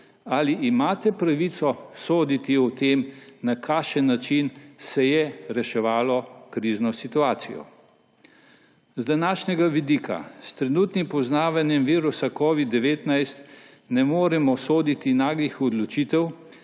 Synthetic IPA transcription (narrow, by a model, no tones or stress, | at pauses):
aliʔːmaːt̪ɛpɾaʋit̪sɔsoːd̪it̪iɔt̪eːmnakʰaːʃənːat͡ʃinsɛjɛɾɛʃɛʋaːlɔkɾiːznɔsit̪uaːt̪sijɔ̰ | zd̪anaːʃnʲɛɡaʋid̪iːkʰa̰st̪ɾɛnuːt̪nimpɔznaːʋanjɛmʋiːɾusakɔːʋid̪ːɛʋeːt̪najst̪ | nɛmoːɾɛmɔsoːd̪it̪inaːɡixɔd̪lɔt͡ʃiːt̪ɛw